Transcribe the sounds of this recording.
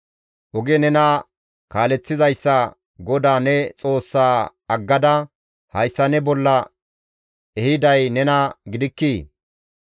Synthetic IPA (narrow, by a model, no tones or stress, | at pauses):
ʔɔɡɛnɛnɐ | kaːlɛt͡sːɪzɐjsːɐ | ɡɔd̪aːnɛt͡sʼo̞ːsːaː | ɐɡːɐd̪ɐ | hɐjsːɐnɛbɔlːɐ | ɛhɪd̪ɐjnɛnɐɡɪd̪ɪkːiː